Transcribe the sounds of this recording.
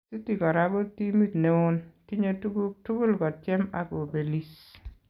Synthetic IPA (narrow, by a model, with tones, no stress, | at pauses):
si˦ti˨kɔ˨ɾa˨ɡɔ˦ti˦mi˦tne˨˦ʊ˦nti˦ɲo˦tu˦ɡu˦tu˦ɡu˦lɡɔ˨tt͡ʃɛ˦ma̰˦ɡo˨be˨li˦s